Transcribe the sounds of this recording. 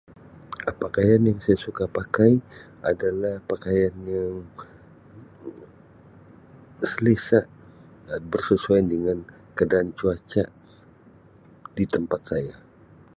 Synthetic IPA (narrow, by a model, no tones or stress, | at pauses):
pakajanjaŋsajasukapakaj | ʔa̰dalahpakajanjaŋ | səlisaʔ | bərsəsuajdəŋan | kadaːnt͡ʃuat͡ʃaʔ | dit̪əmpat̪̚saja